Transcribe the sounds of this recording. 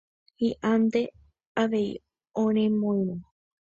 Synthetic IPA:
hiʔãnd̪e̞ | aʋe̞ḭ | õɾ̃ẽmõĩɾũ

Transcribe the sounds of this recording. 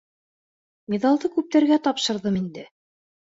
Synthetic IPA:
mʲeðɑlˠd̪ɤkʉp̚t̪æɾɡæt̪ɑpʃɤ̆ɾðɤmind̪ɘ

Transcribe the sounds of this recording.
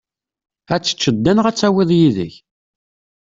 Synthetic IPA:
æt͡sːə̥t͡ʃːəd̪ːænʁæt͡sːæwiðˤjiðə̰ç

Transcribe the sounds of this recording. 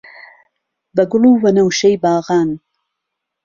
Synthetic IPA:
bɐɡʊluwɐnawʃejbɑːɣɑːn

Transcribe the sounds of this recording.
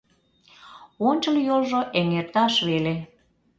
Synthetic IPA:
onʲt͡ɕəljolʒoʔeŋert̪ɑʃβele

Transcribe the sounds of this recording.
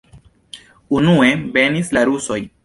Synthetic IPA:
unue̞be̞nislaɾuso̞j

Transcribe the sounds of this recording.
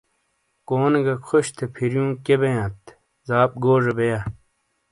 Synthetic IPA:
koːneɡɐkʰoɕt̪ʰepʰiɾjũːkebejãːt̪ | zaːp̚ɡoːʐɐbeja

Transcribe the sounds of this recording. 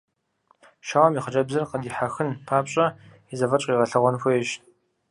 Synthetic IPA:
ʃaːwɐmiːχəd͡ʒʼɐbzɐrqədiːħaxɨnpʰaːpɕʼɐ | izɐvɐt͡ʃʼiːʁɐɬɐʁʷɔnxʷɔɛʃ

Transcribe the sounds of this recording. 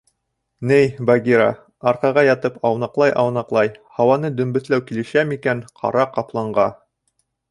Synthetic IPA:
nɘjbaɡʲiɾa̰ | ɑɾqɑʁɑjɑt̪ɤpɑwnɑqlˠɑjʔɑwnɑqlˠɑjhɑwɑnɤd̪ɵ̆mbɵ̆θlæwkilɘ̆ʃæmikænqʰɑ̰ɾɑqɑplˠɑɴɢɑ

